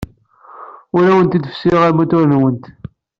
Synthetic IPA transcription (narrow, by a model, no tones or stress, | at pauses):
ʊɾæwənt̪id̪ə̥fsiʁæmut̪ʊɾənwənt̪